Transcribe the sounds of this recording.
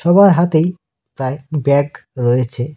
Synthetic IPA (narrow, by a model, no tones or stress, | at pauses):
ʃɔbaɾɦat̪ej | pɾaebɛɡɾɔjet͡ɕʰe